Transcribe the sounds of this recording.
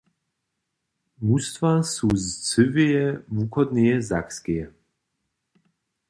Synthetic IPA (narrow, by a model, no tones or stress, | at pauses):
must̪vasuzt͡sɨvijɛvukɔd̪nijɛza̰kskɛjɛ